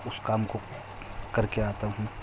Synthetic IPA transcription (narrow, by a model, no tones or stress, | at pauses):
ʊskaːmko | kɐɾkeaːt̪aɦũ